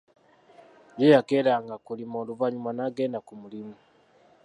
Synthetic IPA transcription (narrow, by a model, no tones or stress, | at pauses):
jejakeɾaŋɡakulimoːluvaɲumanaɡeːndakumulimu